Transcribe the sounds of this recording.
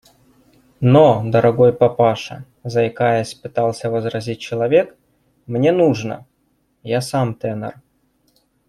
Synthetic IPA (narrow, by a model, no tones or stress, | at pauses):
nod̪əɾɐɡojpɐpaʂə̰ | zɐjkajəsʲpɨt̪alˠsʲəvəzɾɐzʲit̚ʲt͡ɕɪlˠɐvʲe̞k | mnʲenuʐnə̰ | jasamt̪ɛnə̰r